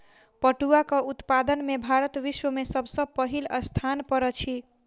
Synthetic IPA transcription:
pəʈuakəut̪pad̪ənmebʱaɾət̪ʋiswəmesəbʱsəb̚pəɦiləst̪ʰanpəɾət͡ʃʰi

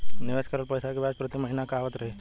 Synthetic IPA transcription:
niʋeskəɾəlpəjsakebadkɾut̪eməɦinakaːʋət̪ɾɐɦi

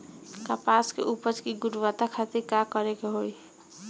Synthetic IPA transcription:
kapaskḛʔupʌt͡ʃkiɡuɽwat̪akʰat̪iɾkakʌɾekoɦoj

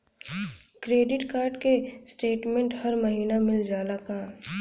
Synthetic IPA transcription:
kɾeːɖɪʈkaːɾɖkesʈeːʈmẽɳʈhɐɾmɐɦiːnamɪld͡ʒaːlakaː

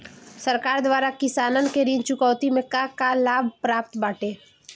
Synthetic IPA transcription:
səɾkaːɾd̪waːɾakɪsaːnənkeɾĩːnt͡ʃʊkɔːwt̪imẽkakalaːbʱpɾaːp̚t̪baːʈeː

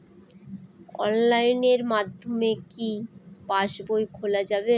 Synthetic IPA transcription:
ɔ̰nlajneɾmad̪ʱːomekipaʃbojkʰolad͡ʑabe

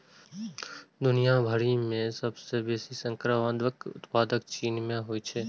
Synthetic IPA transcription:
d̪ʊnijabʱəɽimẽsəbsebeːsisə̃ŋkɾəʋə̃nd̪ʋəkʊ̰t̪paːd̪əkt͡ʃiːnmẽɦoit͡ʃʰeː

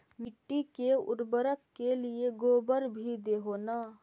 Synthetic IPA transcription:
mɪʈːikeʊ̰ɾbəɾəkːelieɡoːbəɾbʱid̪eɦoːna

